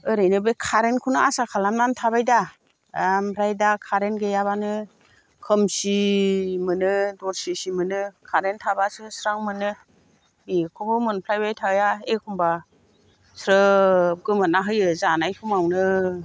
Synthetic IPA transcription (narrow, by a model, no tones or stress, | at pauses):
ɯɾɯjnɯbekʰaɾenkʰunɯasakʰalamnantʰaβajda | amɾajdakʰaɾenɡejaβanɯ | kʰɯmsimɯnɯdɔɾsisimɯnɯkʰaɾentʰabasɯsɾaŋmɯnɯ | bikʰubɯmɯnpʰlajbajtʰawjaekʰumba | sɾɯkɯmɯnaɦɯjɯzanajkʰɯmawnɯ